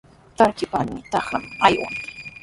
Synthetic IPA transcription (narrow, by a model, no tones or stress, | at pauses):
t̪aɾkɪpanɪt̪ɑχnamajwa̰ŋ